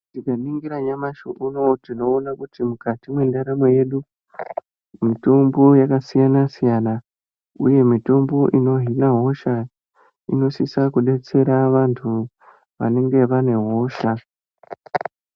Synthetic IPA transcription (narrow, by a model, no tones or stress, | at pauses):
tikamiŋɡiɾaɲamaʃoʔunotino̞ːnakutimukatimwe̞ndaɾameje̞ɗu | mito̞mbo̞jakasijanasijana | ṵje̞mito̞mbo̞ʔino̞ɦinaɦo̞ʃa | ḭno̞sisakuɗe̞t͡se̞ɾaʋantʰu | ʋa̰ne̞ŋɡe̞ʋane̞ɦo̞ʃa